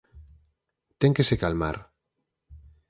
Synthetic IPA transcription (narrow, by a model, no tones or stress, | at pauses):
t̪eŋkesekalma̰ɾ